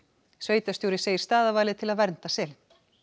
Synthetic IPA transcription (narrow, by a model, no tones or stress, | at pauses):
sveːɥjt̪ast̪joːwɾɪ̥seːjɪɾ̥st̪aːðavaːjlɪðt̪ʰɪlaðvɛɾn̥t̪asɛl